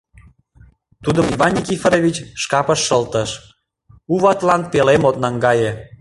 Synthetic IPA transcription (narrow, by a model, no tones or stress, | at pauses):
t̪ud̪əmivɑnʲːikʲifɾovʲit͡ɕʃkɑpəʃːəlt̪əʃ | uβɑt̪lɑnpelemot̪nɑŋɡɑje